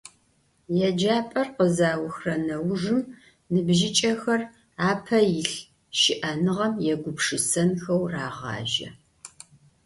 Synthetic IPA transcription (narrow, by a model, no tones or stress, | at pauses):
jɛd͡ʒaːpʼɐrqəzaːwʊxrɐnɐwʐɨm | nɨbʒɪt͡ʃʼɐxɐr | aːpʰɐjɪɬ | ʃɪʔɐnɨʁɐmjɛɡʷʊpʰʂɨsɐnxɐwraːʁɑ̰ːʒɐ̰